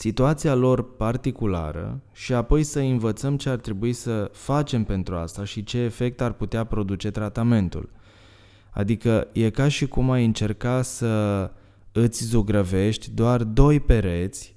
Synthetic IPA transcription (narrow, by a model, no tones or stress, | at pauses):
sit̪uat̪sialo̞rpart̪ikula̰ɾə̰ʃiapo̞jsəɨnvət̪səmt͡ʃe̞art̪ɾe̞buisəfat͡ʃe̞mpe̞nt̪ɾua̰st̪aʃit͡ʃe̞ːfe̞k̚t̪arput̪eapɾo̞d̪ut͡ʃe̞t̪ɾat̪ame̞nt̪ṵl | a̰d̪ikəje̞kaʃikumajɨnt͡ʃe̞rkasə | ɨt̪sʲzuɡɾəve̞ʃt̪ʲd̪oard̪o̞jpe̞ɾe̞t̪sʲ